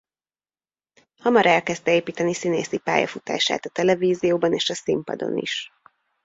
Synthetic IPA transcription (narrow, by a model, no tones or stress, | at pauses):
hɒmɒɾɛlkɛz̥t̪ɛeːpiːt̪ɛnisineːsipa̰ːjɒ̰fut̪a̰ːʃa̰ːt̪ɒt̪ɛlɛviːzijoːbɒneːʃɒsimpɒ̰d̪o̞̰nḭʃ